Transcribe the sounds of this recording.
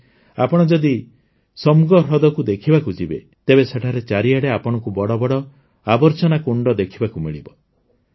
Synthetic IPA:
a̰pɔɽ̃ɔd͡ʒɔd̪i | sɔmuɡɔɾɔd̪ɔkud̪ekʰibakud͡ʒibḛ | t̪ebeseʈʰaɾet͡ʃaɾiaɽeapɔɽ̃ɔkubɔɽɔbɔɽɔ | abɔɾt͡ʃɔnakuɳɖɔd̪ekʰibakumiɭibɔ

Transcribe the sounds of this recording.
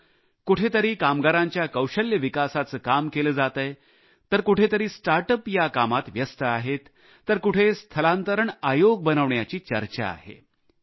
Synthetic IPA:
kuʈʰet̪əɾiːkamɡaɾaɲt͡ɕjakəwɕəljəʋikasat͡səːkamkeləːd͡zat̪əj | t̪əɾkuʈʰet̪əɾiːsʈaɾʈəpjakamat̪ʋjəst̪əaɦet̪ː | əɾkuʈʰest̪ʰəlãnt̪əɾəɳajoɡ̚bənəʋɳjat͡ɕiːt͡ɕəɾt͡ɕa̰a̰ɦḛ

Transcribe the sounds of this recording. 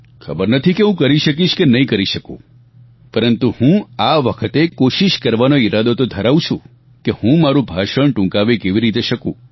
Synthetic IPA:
kʰəbəɾnət̪ʰikeɦũkəɾiʃək̬iʃkenəɦĩkəɾiʃəkṵ̃ | pəɾənt̪uhũaʋəkʰət̪ekoʃiʃkəɾʋanoiɾad̪ot̪od̪ʱəɾaʋũt͡ʃʰṵ̃ | kehũmaɾũbʱaʃəɳʈũŋkaʋekeʋiɾit̪eʃəkṵ̃

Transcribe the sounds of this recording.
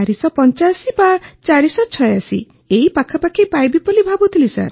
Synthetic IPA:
ɾisɔpɔnt͡ʃasibat͡ʃaɾisɔt͡ʃʰɔeasḭ | eipakʰɔpakʰipajbipɔlibʱabɔt̪ʰilisa̰ɾ

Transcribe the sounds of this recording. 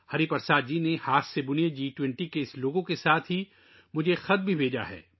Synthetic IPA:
hɐɾipɐɾsaːd̪̚d͡ʒiːnehaːsːebʊnjed͡ʒiːʈwɛ̃ɳʈikeɪsloːɡõkesaːt̪ʰɦi | mʊd͡ʒʱexɐd̪̚bʱibʱeːd͡ʒa̰ɦɛ̰ː

